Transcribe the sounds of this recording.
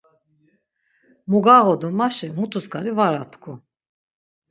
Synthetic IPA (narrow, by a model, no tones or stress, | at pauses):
muɡaʁɔd̪umaʃɛmut̪ʰusɡaɾivaɾat̪ʰkʰu